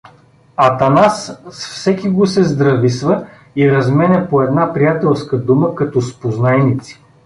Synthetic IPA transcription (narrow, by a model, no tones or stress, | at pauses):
ɐt̪ɐnassfsɛkiɡosɛzd̪ɾɐvisvə | iɾɐzmɛnʲɐpoɛd̪napɾijat̪ɛlˠskəd̪uməkɐt̪ɔspoznaɛnit̪si̥